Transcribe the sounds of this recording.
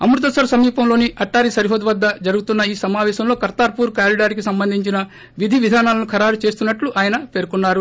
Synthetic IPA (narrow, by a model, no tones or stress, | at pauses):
ɐ̰mɾut̪̬ɐsɐɾɐsɐmiːpɐmlo̞ːniʔɐʈːaːɾisɐɾiɦoːd̪ɐʋɐd̪ːɐd͡ʒɐɾuɡut̪unːɐiːsɐmaːʋɛːʃɐmlo̞ːkɐɾt̪aːɾpuːɾkaːliɖaːɾikisɐmbɐnd̪ʱiɲt͡ʃinɐ | ʋid̪ʱiʋid̪ʱaːnaːlɐnukʰɐɾaːɾut͡ʃe̞ːst̪unːɐʈluʔaːjɐnɐpe̞ːɾkunːaːɾu